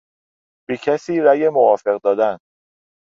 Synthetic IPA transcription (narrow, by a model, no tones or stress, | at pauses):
b̥ecʰæsiːɾæjemovɒːfe̞ɣd̪ɒːd̪æn